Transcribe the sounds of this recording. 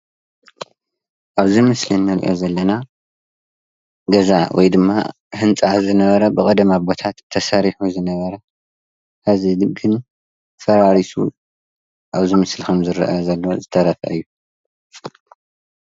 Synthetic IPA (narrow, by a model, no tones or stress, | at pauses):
ʔaβzimɨslinːɐɾiʔo̞̰zɐlːɐna | ɡɐzawʔɔ̰jd̪ɨmːa̰ | hɨnt͡sʼazɨnɐβɐɾɐbɨkʼɐd̪mabo̞t̪ʰat̪ʰːɐsɐɾiħuzɨnɐβɐɾɐ | hazid̪ɡɨn | fɐɾaɾisṵ | ʔaβzimɨslikʰɐmzɨɾ̰ʔɐzɐlːozɨt̪ʰɐɾɐfʔɨjːu